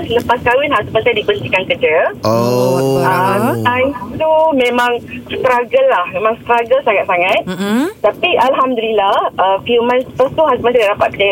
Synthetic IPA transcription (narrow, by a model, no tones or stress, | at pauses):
sələpaskawinɦazuməsadibənt̪ikankəd͡ʒəo | əmant̪umẽmãŋst̪ɾaɡəlahmẽmãŋst̪ɾaɡəlsaŋat̪̚saŋãt̪̚t̪apiʔalɦamd̪əlilahʔəfjumãnspəst̪uɦazuməsadadapat̪̚kə